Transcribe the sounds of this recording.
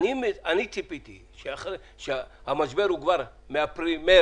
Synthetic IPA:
nimɛanit͡sʰʼipʼit̪ʰḭ | ʃɛaχɾ | ʃeamad͡ʒbɛɾuɡvaɾ | meapʰɾimɛ

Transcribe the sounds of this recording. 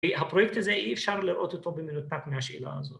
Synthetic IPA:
ɦapɾojek̚t̪azeʔiefʃaʁliɾʔo̞t̪ot̪obeminut̪akmehaʃḭla̰a̰zot

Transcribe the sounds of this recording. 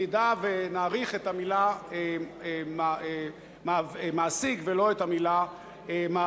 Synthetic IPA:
idavenaːʁiχetamilaem | mamaːsikvelo̞etamila | ema

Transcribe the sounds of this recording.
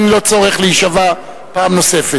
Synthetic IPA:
nlo̞t͡soʁeχleiʃava | paːmno̞se̞fe

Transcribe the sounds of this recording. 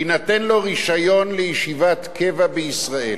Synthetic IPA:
inat̪enlo̞ʁiʃajo̞nlejiʃivat̪kʰevabeisʁaḛ

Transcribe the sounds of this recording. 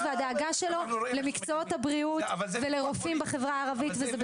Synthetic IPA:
vead̪eaɡaʃe̞lo̞lemikt͡soot̪habʁiutveleʁofimbaχe̞vʁaːʁavit̪vezeb

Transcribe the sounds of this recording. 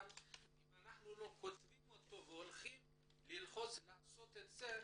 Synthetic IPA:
limanaχnulo̞kot̪vimot̪o̞veolχim | lilχo̞t͡slaːso̞t̪et̪ze

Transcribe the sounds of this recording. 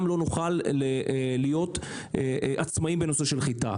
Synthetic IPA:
mlo̞nuχalelijo̞t | ʔat͡smaimbeno̞se̞ʃe̞lχita̰

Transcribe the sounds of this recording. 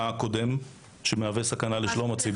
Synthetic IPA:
ako̞d̪e̞m | ʃemeavesakanaleʃlomat͡sib

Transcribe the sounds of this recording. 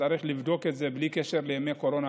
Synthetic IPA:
aɾiχlivd̪o̞ke̞t̪zeblikeʃeɾlemeko̞ɾo̞na

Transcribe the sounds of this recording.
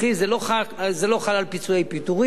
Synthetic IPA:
izelo̞χazelo̞χalalpit͡suejpit̪uʁi

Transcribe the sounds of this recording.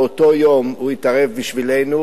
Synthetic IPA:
ot̪o̞jo̞muit̪aʁevbiʃvile̞jnu

